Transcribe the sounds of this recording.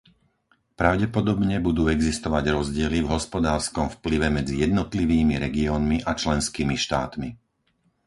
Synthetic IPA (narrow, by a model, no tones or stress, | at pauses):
pɾaʊɟɛpɔd̪ɔbɲɛbud̪uːɛɡzist̪ɔʋaɟɾɔzɟɪɛlivɦɔspɔd̪aːɾskɔmfpliʋɛmɛd͡zijɛd̪nɔt̪liʋiːmiɾɛɡiɔːnmiʔat͡ʃlɛnskiːmiʃt̪a̰ːt̪mi